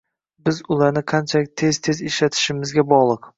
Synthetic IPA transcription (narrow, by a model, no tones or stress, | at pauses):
bɪzʊlˠaɾnɪqʰɑnt͡ʃʰalɪk̚ʲt̪ʰe̞z̥t̪ʰe̞zɪʃlat̪ʰɪ̥ʃɪmɪzɡʲabɒʁlˠɨq